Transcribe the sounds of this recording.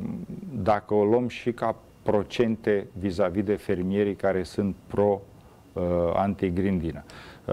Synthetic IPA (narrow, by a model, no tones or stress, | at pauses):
d̪akəolomʃika | pɾo̞t͡ʃe̞nt̪e̞vizavid̪e̞fe̞rmije̞ɾijkaɾe̞sɨnt̪̚pɾo̞ | a̰nt̪iɡɾind̪inə